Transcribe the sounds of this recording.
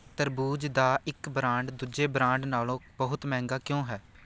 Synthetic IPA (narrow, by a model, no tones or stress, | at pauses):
t̪əɾbuːd͡ʒd̪aːɪkbɾãːɳɖd̪ʊd͡ʒeːbɾãːɳɖnaːlõːbəɦʊt̪mɛ̃ːŋɡaːkjõːɦɛː